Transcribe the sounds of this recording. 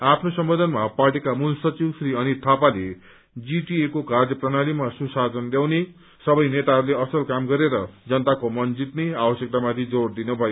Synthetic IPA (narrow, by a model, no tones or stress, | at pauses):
apʰnosʌmbod̪ʱʌnmaparʈikamulsʌt͡siwsriʌnit̪ʰapale | d͡ziʈiekokard͡zjʌprʌnalimasusad͡zʌnljaw̃ne | sʌbʌjnet̪aɦʌɾleʌsʌlkamɡʌɾeɾʌd͡zʌnt̪akomʌnd͡zit̪neabʌsjek̚t̪amat̪ʰid͡zord̪inʌbʱʌjo